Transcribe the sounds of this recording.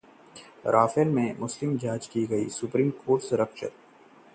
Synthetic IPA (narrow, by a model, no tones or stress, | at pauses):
ɾʔaːfelmẽmʊslɪmd͡ʒaːd͡ʒkiɡɐḭsʊpɾiːmkoːɾʈseɾɐkʃə̰t̪̚